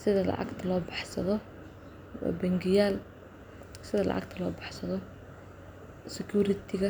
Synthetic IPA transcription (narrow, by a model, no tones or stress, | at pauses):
sɪðɐlɑ̰ʕɑ̰ɡt̪ʰɐlɔːbɑ̥ħsɐðɔ̰ | bɛŋɡɪjaːl | sɪðɐlɑ̰ʕɑ̰ɡt̪ʰɐlɔːbɑ̥ħsɐðɔ | sɪkjuːɾɪt̪ʰɪɣɐ